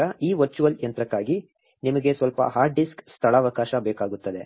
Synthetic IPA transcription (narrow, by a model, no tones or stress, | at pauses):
ɐiːʋɐɾt͡ʃuʋɐljɐnt̪ɾɐkːaːɡi | nimɐɡe̞sʋɐlpɐ̰ɦaːɾɖɖiskst̪ʰɐɭaːʋɐkaːʃɐbɛːkaːɡut̪ːɐd̪e̞